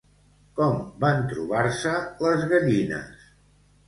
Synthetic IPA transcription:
kɔmbant̪ɾṵβaɾsələzɣəʎinə̰s

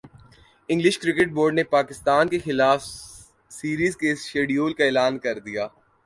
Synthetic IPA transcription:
ɪ̃ŋɡlɪʃkɾɪkeʈ̚boːɾɖnepaːkɪst̪aːnkexɪlaːf | siːɾiːzkesʃeːɖijoːlkaeːlaːnkɐɾd̪ijaː

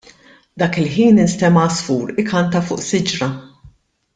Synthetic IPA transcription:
d̪ɐːkɪlħiːnɪnst̪ɛmɐsfuːɾɪkɐnt̪ɐfʊ̰ːʔsɪd͡ʒɾɐ

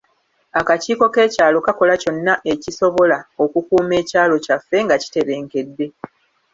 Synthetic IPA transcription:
akaciːko̞ke̞ːcaːlo̞kako̞laco̞nːaʔeciso̞βo̞lao̞kukuːme̞ːcaːlo̞cafːe̞ŋɡaci̥te̞ɾe̞ːŋke̞dːe̞

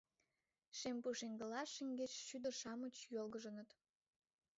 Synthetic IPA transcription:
ʃempuʃeŋʲɡə̆lɑʃəŋʲɡet͡ɕʃyd̪ərʃɑmət͡ɕjolɣəʒə̆nə̆t̪

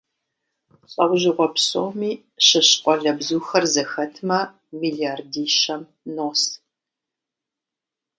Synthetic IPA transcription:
ɕʼɐwʑɪʁʷɔpsʼo̰ːmiː | ɕɐɕqʷʼɔɮɐbzuːxɐrzɐxɐtʰmɐ | miːɮiaːrdiːʃɐm | noːs

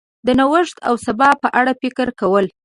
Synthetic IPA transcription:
d̪ənawəʂt̪a̰wsabɑpəʔaɽapɪkəɾkawəl

